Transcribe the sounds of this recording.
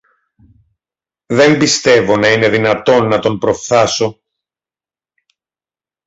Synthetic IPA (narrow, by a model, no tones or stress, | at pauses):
ðe̞mbist̪e̞vo̞nɐine̞ðinɐt̪o̞nːɐt̪o̞mpɾo̞fθɐso̞